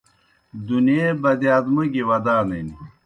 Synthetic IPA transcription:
d̪unjeːbɐd̪iaːd̪mɐɡiwɐd̪aːneni

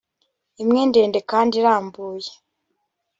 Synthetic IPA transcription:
imŋende̞ːnde̞kaːndiɾaːmbuːje

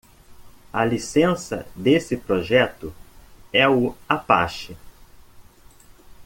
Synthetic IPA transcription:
ɐlisẽsɐ̰d̪esɪpɾoʒɛt̪ʊɛʊapa̰ʃɪ

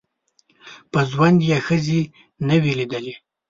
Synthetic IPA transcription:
pəzwand̪jexəzi | nəwilid̪əli

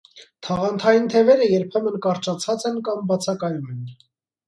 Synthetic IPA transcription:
t̪ʰɑʁɑnt̪ʰɑjint̪ʰɛvɛɾəjɛɾpʰɛmənkɑɾt͡ʃɑt͡sʰɑt͡sɛnkɑmbɑt͡sʰɑkɑjumɛn

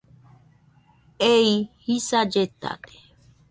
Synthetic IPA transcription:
eihisad͡ʒet̪a̰d̪e̥

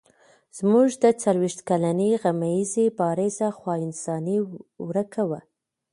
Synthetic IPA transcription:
z̥muʒd̪ət͡salwiʃt̪kalaniɣamajizebɑɾɪzaxwɑɪnsɑniwɾəkawa

